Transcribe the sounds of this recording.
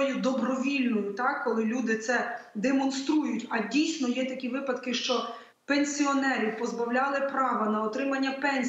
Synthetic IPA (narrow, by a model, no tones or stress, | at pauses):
jʊd̪ɔbɾɔʋʲilʲnɔjʊt̪ɑkːɔlˠɪlʲud̪ɪt̪sɛd̪emɔnst̪ɾujʊtʲɐdʲijsʲnɔjɛt̪ɐkʲiʋɪpɐd̪kɪʃt͡ʃɔ | penʲsʲiɔnɛɾʲiwpɔzbɐwlʲɑlˠɪpɾɑʋɐnɐɔt̪ɾɪmɐnʲːɐpɛnʲ